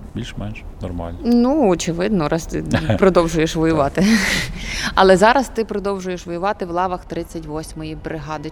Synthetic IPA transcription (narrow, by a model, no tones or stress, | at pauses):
bʲilʲʃmɛnʃ | nɔ̰rmɑ̰lʲnnuɔt͡ʃɪʋɪd̪nɔɾɑst̪ɪpɾɔd̪ɔwʒʊjeʃʋɔjʊʋɑt̪ɪ | ɐlˠɛzɑɾɐst̪ɪpɾɔd̪ɔwʒʊjeʃʋɔjʊʋɑt̪ɪwlˠɑʋɐxt̪ɾɪt͡sʲːɐtʲʋɔsʲmɔjibɾɪɦɑd̪ɪ